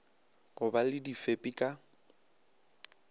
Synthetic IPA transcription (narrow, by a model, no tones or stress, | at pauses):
ɣʊbalɪdifepʼikʼa